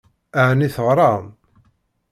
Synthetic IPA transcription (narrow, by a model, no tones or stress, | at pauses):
aʕniθəʁɾˤɑn